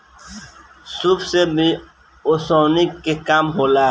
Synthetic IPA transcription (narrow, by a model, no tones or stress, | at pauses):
suːbsebi | osoːnikekaːmɦoːlaː